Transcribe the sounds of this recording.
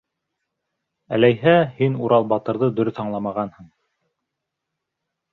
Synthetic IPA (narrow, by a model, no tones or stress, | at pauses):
æ̰læjɦæhinuɾɑlˠbɑt̪ɤ̆ɾðɤd̪ɵ̆ɾɵθɑɴlˠɑmɑʁɑnhɤɴ